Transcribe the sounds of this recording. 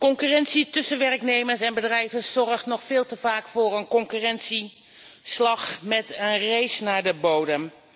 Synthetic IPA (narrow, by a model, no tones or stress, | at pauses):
kɔŋkyːrɛnsitʏsənʋɛrknejməɹsɛnbədrɛjvəssɔrχtnɔχfɪːlˠtəvaːkfʊːɹənkɔŋkyrɛntsi | slɑχmɛtənrejsnaːɹdəbowdəm